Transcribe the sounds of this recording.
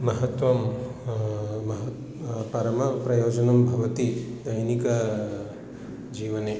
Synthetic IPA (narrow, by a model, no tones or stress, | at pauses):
mɐɦɐt̪wɐm | mɐɦ | pɐɾɐmɐpɾɐjod͡ʒɐnɐmbʱɐʋɐt̪id̪ɐjnikɐ | d͡ʒiwɐne